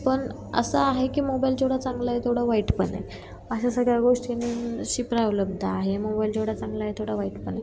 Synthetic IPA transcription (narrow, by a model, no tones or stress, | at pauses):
pəɳ | ə̰səaɦekiːmobajld͡ʑoɽat͡sãŋɡlaɦet̪ʰoɽaʋaiʈpəɳḛ | əɕ̬asəɡɭjaɡoʂʈiniɕipɾawləb̚d̪aaɦemobajld͡ʑewɽ̤at͡sãŋɡlajet̪ʰoɽaʋaiʈpəɳe